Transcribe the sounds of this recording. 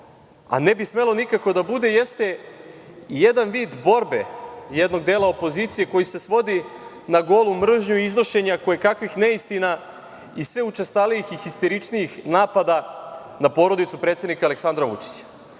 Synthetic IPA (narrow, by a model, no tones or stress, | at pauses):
a̰ne̞bisme̞lo̞nikako̞d̪abud̪e̞jest̪e̞ | ije̞d̪anʋiːd̪bo̞ɾbe̞jed̪no̞ɡ̚d̪e̞ːlaopo̞zit̪sije̞ko̞jise̞sʋo̞d̪i | naɡo̞lumr̩ʒɲuiizno̞ʃe̞ɲakojekakʋixneist̪ina | isʋeut͡ʃest̪alijixixist̪eɾit͡ʃnijixnaːpad̪a | napo̞ɾo̞d̪it̪supɾe̞t̪se̞d̪nikaːleksand̪ɾaʋṵt͡ʃi̥t͡ɕḁ